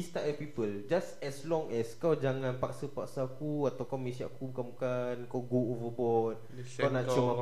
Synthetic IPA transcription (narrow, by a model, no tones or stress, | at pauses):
ist̪aʔɛpipəld͡ʒasɛslɔŋɛskawd͡ʒaŋãnpaksəpaksakuat̪awkawmẽsia̰ʔakubukanbukankawɡoovəbɔt̚ | kawnãʔt͡ʃuma